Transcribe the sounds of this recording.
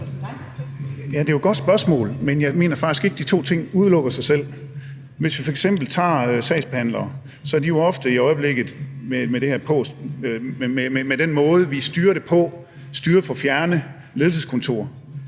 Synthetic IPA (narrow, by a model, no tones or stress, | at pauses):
jæd̥e̝oɡ̥ɒ̽d̥sb̥ɶɐsmɔ̰̽ːlmenjɑ̈ɪme̝̰ːnɐfɑ̈ɡ̥isɡ̥e̝ɡ̥əd̥it͡sʰo̝̰ːt͡sʰe̝ŋ̰uð̞ˠlɔ̽ɡ̥ɐsɑ̈ɪsel̰ | ʋe̝sʋifɒ̽eɡ̥sem̰b̥l̩t͡sʰɑ̰̈ːsɛ̰ɪsb̥ehæn̰lɐː | sɒ̽æɐdijo̝ɒ̽fd̥əiɒ̽ɪb̥le̝ɡ̥ð̩ˠmemeɾ̥e̝hæɐpʰɔ̰s | ememed̥enmɔ̽ːð̞̩ˠəʋisd̥yːɐɾ̥e̝pʰɒ̽ | sd̥yːɐfɒ̽fjæɐnə | le̝ð̞ˠl̩s̬eskʰɔ̽nt͡sʰo̝̰ɐ̰